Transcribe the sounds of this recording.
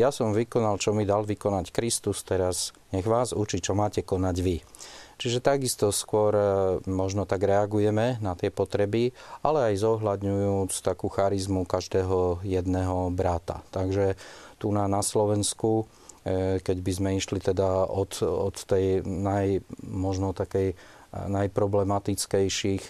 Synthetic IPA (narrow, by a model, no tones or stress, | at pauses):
jasɔmʋikɔnalt͡ʃɔmid̪alʋikɔnackɾist̪ust̪ɛɾazɲɛɣʋaːzut͡ʃit͡ʃɔmaːcɛkɔnaɟʋi | t͡ʃiʒɛt̪aɡist̪ɔskʊɔɾmɔʒnɔt̪aɡɾɛaɡujɛmɛnat̪ɪɛpɔt̪ɾɛbiʔalɛajzɔɦlad̪ɲujuːt͡st̪akuːxaɾizmukaʒd̪ɛːɦɔjɛd̪nɛɦɔbɾat̪a̰t̪aɡʒɛt̪unanaslɔʋɛnsku | kɛɟbizmɛiʃlit̪ɛd̪aɔt̪ɔt̪ːɛjnajmɔʒnɔt̪akɛj | najpɾɔblɛmat̪it͡skɛjʃix